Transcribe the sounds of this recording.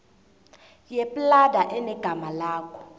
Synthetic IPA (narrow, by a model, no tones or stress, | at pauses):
jepʼladʱaʔɛnɛɡ̥ʱamalaːkʰɔ̥